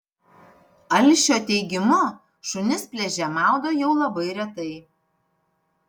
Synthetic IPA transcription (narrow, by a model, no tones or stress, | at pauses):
ɐlʲʃʲoːt̪ʲɛɪɡʲɪmʊ | ʃʊnʲɪspʲlʲɛʒʲɛmɑˑlˠɡ̪ɐjɛʊlˠɐbɐɪɾʲɛt̪ɐɪ